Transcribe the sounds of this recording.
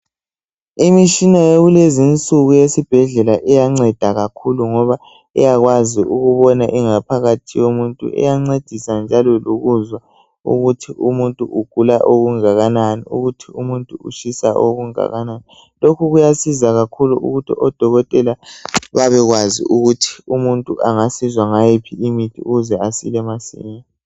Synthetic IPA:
imiʃinaeɣulezint͡sʼuɣujesib̥ʱɛɮɛlaʔɛjaŋ͡ǀɛd̥ʱaɣakʰuluŋɔβa | ɛ̰jaɣwaziuɣuβɔnaʔiŋapʰaɣatʰijomuntʼṵɛ̰jaŋ͡ǀed̥ʱisand͡ʒʱalɔluɣuzwa | ṵɣutʰiʔumuntʼuʔuɡ̥ʱulaʔoɣuŋaɣananḭṵɣutʰiumuntʼuṵʃisaʔoɣuŋa̰ɣanani | lokʰuɣujasizaɣakʰuluṵɣutʰiɔd̥ʱɔɣɔtʼɛlaβaβɛɣwazḭʔuɣutʰi̥umuntʼuʔaŋasizwaŋajepʰiimitʰiṵɣuzɛasḭlɛmasḭːɲa

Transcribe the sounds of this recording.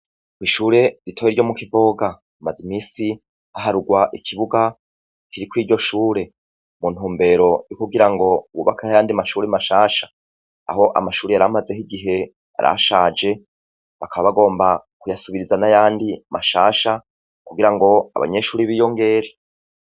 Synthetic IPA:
kiʃuːɾe̞ɾitʰoweɾɟo̞mukivo̞ːɡa | umazimiːsi | haɦaɾuɡwaʔikʰiβuɡa | kiɾikwiːɾɟo̞ʃuːɾe̞ | mun̥huːmbe̞ɾo̞jikuɡiɾaŋɡo̞uβṵβakʰahajaːndimaʃuːɾemaʃaːʃḁ | a̰ho̞ʔa̰maʃuːɾeaɾamaze̞hiɡiɦe̞ | a̰ɾa̰ʃaːd͡ʒe̞ | βakaβaβaɡo̞ːmbakujasuβiɾizanajaːndimaʃaːʃa | kuɡiɾaŋɡo̞a̰βa̰ɲe̞ʃuːɾiβiːjo̞ŋɡe̞ɾe

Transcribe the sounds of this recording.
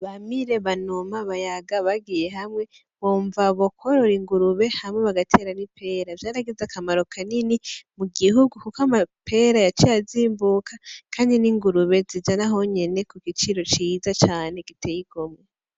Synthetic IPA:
βamiɾe̞βanomaβajaɡaβaɡije̞ɦamŋe̞ | βoːɱvaβo̞kʰo̞ɾo̞ɾiŋɡuɾuβe̞hamŋweβaɡatʰe̞ɾanipʰe̞ːɾavjaːɾaɡezakʰamaɾo̞kʰaninimuɡiɦuɡukukamapʰe̞ɾajat͡ʃijaziːmbukʰakʰaːndiniŋɡuɾuβe̞zid͡ʒanaɦo̞ɲe̞ne̞kuɡit͡ʃiɾo̞t͡ʃiːzat͡ʃaːne̞ɡitʰejiɡome

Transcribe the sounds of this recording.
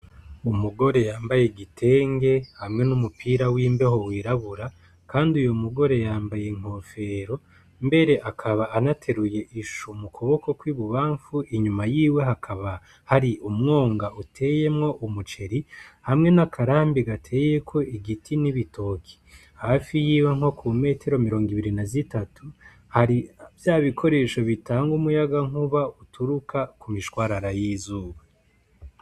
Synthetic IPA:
umuɡo̞ɾe̞jaːmbajeɡitʰe̞ːŋɡe̞hamŋe̞numupʰiːɾawiːmbe̞ɦo̞wiːɾaβuɾa | kaːndiujomuɡo̞ɾe̞jaːmbajeŋ̥ho̞fe̞ɾo̞ | mbe̞ɾe̞ʔakʰaβaːnatʰe̞ɾuje̞ʔiʃumukʰo̞βo̞ko̞kwiːβuβaːɱfuʔiɲumajiːwe̞ɦakʰaβa | haɾiʔumŋo̞ːŋɡautʰe̞ːje̞mŋo̞ʔumut͡ʃe̞ɾihamŋe̞nakʰaɾaːmbiɡatʰe̞ːje̞kʰo̞iɡitʰiniβitʰo̞kʰi̥ | hafijiːwe̞ŋo̞kume̞ːtʰe̞ɾo̞miɾo̞ːŋɡiβiɾinazitatu | haɾivjaːβikʰo̞ɾe̞ːʃo̞βitaːŋɡumujaɡaŋ̥uβautʰuɾukʰakumiʃkwaːɾaɾajiːzuːβa

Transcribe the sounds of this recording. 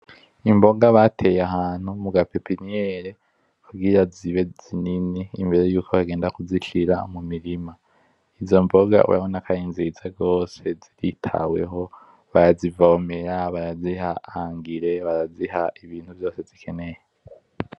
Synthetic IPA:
imbo̞ɡaβatʰe̞jaɦaːn̥humuɡapepinijeɾe | kʰuɡiɾaziβe̞z̥ininiːmbe̞ɾe̞juːkʰo̞βaɡeːndakuziʃiɾamumiɾima | izo̞mbo̞ɡa̰ṵw̰a̰βonakʰajinzizaɡo̞ːse̞ziɾitʰa̰we̞̰ɦo̞ | βaɾazivaomeɾaβaɾazihaaŋɡiɾe̞βaɾazihaiβiːn̥huvjo̞ːse̞zikʰe̞ne̞je

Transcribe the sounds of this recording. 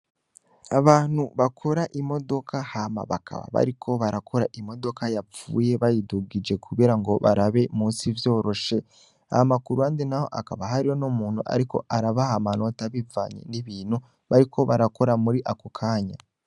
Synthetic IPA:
aβaːn̥huβakʰo̞ɾaʔimo̞do̞kʰahama̰βa̰kʰa̰βa̰βa̰ɾikʰo̞βaɾakʰo̞ɾaʔimo̞do̞kajap͡fṵːje̞βajiduɡid͡ʒe̞kuβiɾaŋɡo̞βa̰ɾaβe̞muːnsivjo̞ːɾo̞ʃe̞ | a̰amakuɾuandenaho̞ʔakaβaɦaɾijo̞nomuːn̥hṵʔa̰ɾiko̞̰ʔaɾaβahamano̞taβiva̰ːɲḛniβiːn̥hu | βaɾikʰo̞βaɾako̞ɾamuɾiʔakokʰaːɲa

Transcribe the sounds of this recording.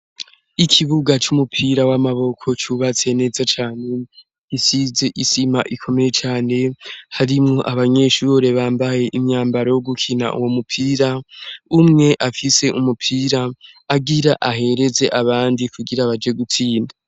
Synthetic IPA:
ikʰiβuɡat͡ʃumupʰiɾawamaβo̞kʰo̞t͡ʃuβat͡se̞ne̞ːzat͡ʃaːne̞ | isize̞ʔisimaʔikʰo̞me̞je̞t͡ʃaːne̞haɾimŋo̞ʔaβaɲe̞ʃuɾe̞βaːmbaje̞ʔimɲaːmbaɾojoɡukʰina̰ʔṵwo̞mupʰiːɾaumŋe̞ʔafise̞ʔumupʰiːɾaː | ɡiɾaʔaɦe̞ɾe̞ze̞ʔaβaːndikuɡiɾaβad͡ʒe̞ɡutʰiːnda

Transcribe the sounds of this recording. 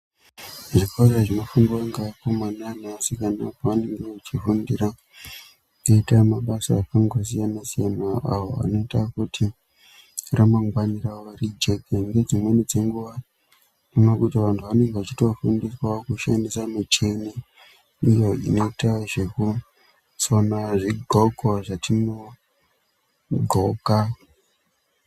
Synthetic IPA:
ʐikʰoreʐino̞fuŋɡiwaŋɡakomananasikanapoʋane̞ŋɡe̞at͡ʃifundira | keitamaɓasaːkaŋɡosijanasijanaa̰ɦoa̰no̞itakutʰi | ramaŋɡwaniraʋarid͡ʒe̞keŋɡe̞d͡zimwenid͡ze̞ŋɡuʋa | dinokutiʋantʰuʋane̞ŋɡeʋat͡ʃito̞fundiswakuʃandisamit͡ʃeni | ijo̞ḭno̞itaʐe̞ku | sonaʐiɡʱoɡʱwaʐatino | ɡʱoka

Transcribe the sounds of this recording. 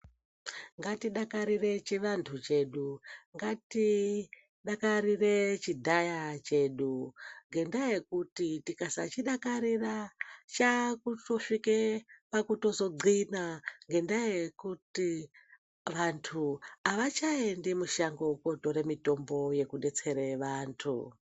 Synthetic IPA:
ŋɡatiɗakaɾire̞t͡ʃiʋantʰut͡ʃe̞ɗuŋɡati | ɗakaɾire̞t͡ʃidʱajat͡ʃe̞ɗuŋɡe̞ndaje̞kutitikasa̰t͡ʃiɗakaɾirat͡ʃakuto̞ʃikepakuto̞zo̞ɡ͡ǀinaŋɡe̞ndajekuti | ʋantʰuaʋat͡ʃaendemuʃaŋɡouko̞to̞ɾemito̞mbo̞je̞kuɗe̞t͡se̞ɾeʋaːntʰṵ

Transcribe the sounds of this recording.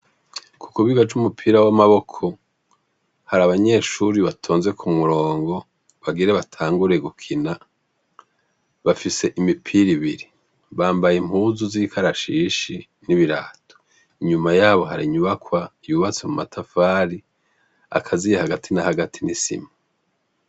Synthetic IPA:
ku̥kuβiɡat͡ʃumupʰiːɾawamaβo̞kʰo̞ | haɾaβaɲe̞ʃuɾiβatʰo̞ːnze̞kʰumuɾo̞ːŋɡo̞ | βaɡiɾeβatʰaːŋɡuɾe̞ɡukʰina | βafise̞ʔimipʰiɾiβiɾi | βaːmbajem̥huzuzikʰaɾaʃiːʃi | niβiɾa̰ːtʰo̥ | iɲumajaːβo̞ɦaɾiɲuβakwajuːβat͡semumatʰafaːɾi | a̰kʰazijehaɡatʰinahaɡatʰinisḭma

